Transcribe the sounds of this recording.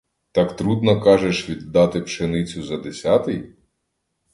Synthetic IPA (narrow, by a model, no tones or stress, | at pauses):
t̪ɑkt̪ɾud̪nɔkɑʒeʃʋʲid̪ːɑt̪ɪpʃenɪt͡sʲʊzɐd̪esʲɑt̪ɪj